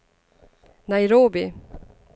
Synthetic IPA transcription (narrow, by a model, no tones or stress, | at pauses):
najɾoːbɪ̰